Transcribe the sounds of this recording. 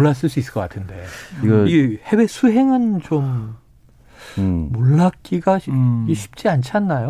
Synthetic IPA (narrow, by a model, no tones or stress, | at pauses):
oɭːas̬͈ɯɭs̬͈uis͈ɯ̥k͈ʌk͈atʰɯnde̞iihe̞we̞sʰuɦe̞ŋɯnt͡ɕom | oɭːak̚k͈iɡaɕʰi̥p̚t͡ɕ͈iant͡ɕʰanːajo